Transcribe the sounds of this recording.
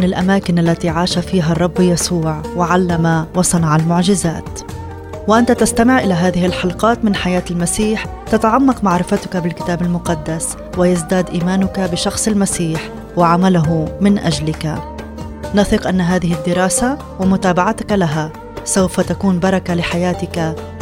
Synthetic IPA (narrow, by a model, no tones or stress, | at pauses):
nɪlʔamaːkɪnalːat̪iʕaːʃafiːɦarˤːɑbːjasuːʕwɪʕalːamawɑsˤɑnɑʕalmʊʕʒɪzaːt̪ | wɪʔant̪at̪ast̪amɪʕʔɪlaɦaːðɪhɪlħɑlqɑːt̪mɪnħajaːt̪ɪlmasiːħ | t̪at̪aʕamːɑqmaʕɾɪfat̪ʊ̥kabɪlkɪ̥t̪aːbɪlmʊqɑd̪ːas | wɪjazd̪aːd̪ʔiːmaːnʊkabɪʃɑxsˤɪlmasiːħ | wɪʕamalʊɦʊmɪnʔaʒlɪka | nɑθɪqʔanːaɦaːðɪɦɪd̪ːɪɾˤɑːsa | wɪmʊt̪aːbaʕat̪akalaɦa | sawfat̪akuːnbɑɾˤɑkalɪħajaːt̪ɪka